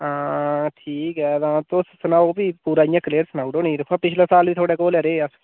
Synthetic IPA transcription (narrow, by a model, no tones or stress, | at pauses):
ãːʈʰiːkɛːd̪ãːt̪ossənaːoːbiːpuːɾaːɪjãːkəleːɾsənaːuɖoːnĩːɾəkʰãːpɪt͡ʃʰleːsaːlʋiːt̪ʰoːɽeːkoːlɛɾeːəs